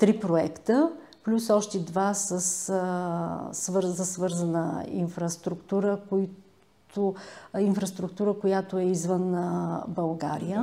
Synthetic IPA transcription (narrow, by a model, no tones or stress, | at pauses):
t̪ɾipɾoɛkt̪ə | plʲusɔʃt̪ɛd̪vasəs | vɤɾzəsvɤɾzənəḭnfɾəst̪ɾukt̪uɾəkoi | t̪oinfɾɐst̪ɾuk̚t̪uɾəkojat̪oɛizvənbəlˠɡa̰ɾijə